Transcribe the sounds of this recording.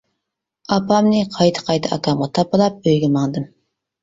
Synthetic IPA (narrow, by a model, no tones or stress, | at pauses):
ɑpɑmnɨqʰɑjt̪ʰə̥qʰɑjt̪ʰɑʔɑ̰kʰɑmʁɑt̪ʰɑp̚əlˠɑp̚øjɡʲɪmɑŋd̪ɨm